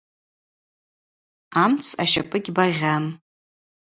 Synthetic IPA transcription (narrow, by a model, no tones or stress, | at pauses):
amt͡sʰa̰ʃa̰pʼɨɡʲbaʁʲam